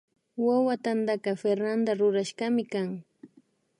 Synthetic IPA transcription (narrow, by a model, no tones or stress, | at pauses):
wawat̪and̪akɑfeɾnand̪aɾʊɾaʃɢɑmɪkaŋ